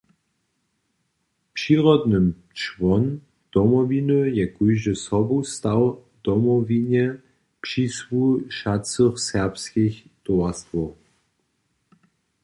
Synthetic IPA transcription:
pʂiʁɔd̪nəm | t͡ʃvɔn | d̪̥ɔmɔvinəjɛkujʒəsɔbust̪aw | d̪̥ɔmɔvinɛ | pʂiswuʃat͡səχsɛʁpskixt̪ɔast̪vɔ

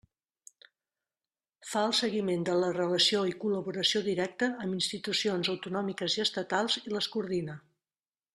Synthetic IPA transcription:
faəlˠsəɣimend̪ələrələsioikuləβuɾəsioðiɾɛk̚t̪əːminst̪it̪usionzəwt̪unɔmikəziəst̪ət̪alˠziləskuɾðinə

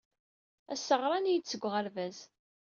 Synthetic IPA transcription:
æsːəʁɾˤɑnijət͡sːəɡʷːʁəlvæz

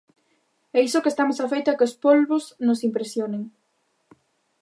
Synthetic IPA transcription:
ɛisokest̪amosafejt̪akeospolβosnosimpɾesjoneŋ

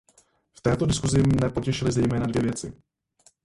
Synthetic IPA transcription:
ft̪ɛːt̪o̞dɪskuzɪmnɛpo̞cɛʃɪlɪzɛjmɛːnadvjɛvjɛt͡sɪ̰

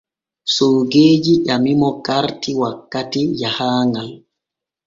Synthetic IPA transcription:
soːɡeːd͡ʒiʔamimɔkaɾtiwakːatijahaːŋɡal

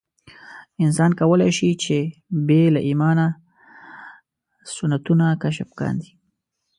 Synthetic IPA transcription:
ɪns̬ɑnkawəlajʃit͡ʃebelaʔimɑna | sʊnat̪unakaʃafkɑ̰nd̪i

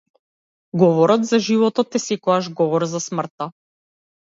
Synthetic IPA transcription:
ɡɔvɔɾɔt̪zaʒivɔt̪ɔt̪ːɛsɛkɔaʒɡɔvɔɾzasmr̩t̪a

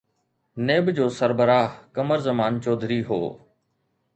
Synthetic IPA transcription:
neːbd͡ʑoːsəɾbəɾaːɦkəməɾzəmaːnt͡ʃɔːd̪ʱɾiːɦo̰ː

